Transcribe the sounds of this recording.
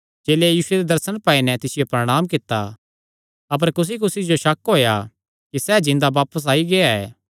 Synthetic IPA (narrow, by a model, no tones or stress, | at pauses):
d͡ʒeːlejiːsʊed̪ed̪ɐɾsənpaːinɛt̪ɪsɪjopɾɐɽ̃aːmkɪt̪ːa̰ | ɐp̬əɾkʊs̬ikʊsid͡ʒoʃɐkɦoːja̰ | kisɛːd͡ʒɪ̃nd̪abaːpəs̬aːiɡeaɛ̰ː